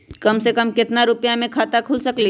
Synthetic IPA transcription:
kəmsekəmkɪt̪naɾʊpjãmẽkʰat̪akʰulsəkli

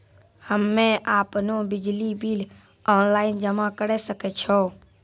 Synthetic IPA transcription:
həmːẽʔaːpnobɪd͡ʒlibil | ɔːnlaːɪnd͡ʒəmakəɾɛsəkɛt͡ʃʰo

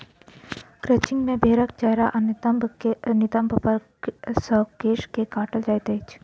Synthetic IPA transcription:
kɾət͡ʃɪ̃ŋɡmẽbʱeːɾəkt͡ʃɐɦɾaʔɐnmʱnɪt̪əmbʱpəɾ | səkeːʃkekaːʈəld͡ʒajt̪et͡ʃʰ

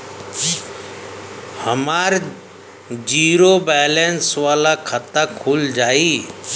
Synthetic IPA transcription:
həmaːɾ | d͡ʒiːɾobɛːlensʋaːlakʰat̪akʰuld͡ʒaːiː

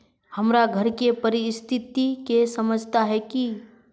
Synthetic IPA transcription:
həmɾaɡʱəɾkepəɾɪst̪ʰɪt̪ikesəməd͡ʒʱt̪aɦɛki

